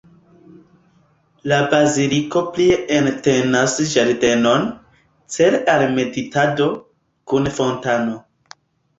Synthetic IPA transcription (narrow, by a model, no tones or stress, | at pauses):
labaziliko̞plieentenasʒaɾde̞no̞n | t͡selalme̞ditado̞ | kunfontano̞